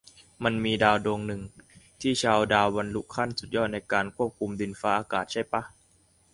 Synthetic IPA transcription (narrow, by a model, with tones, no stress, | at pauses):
ma˧nmiː˧daː˧wdoː˧ŋnɯ˨˩ŋt̪ʰiː˥˩t͡ɕʰaː˧wdaː˧wba˧nlu˦˥kʰa˥˩nsu˨˩t̪̚jɔː˥˩t̪̚na˧jkaː˧nkʰu˥˩əp̚kʰu˧mdi˧nfaː˦˥ʔaː˧kaː˨˩t̪̚t͡ɕʰa˥˩jpa˦˥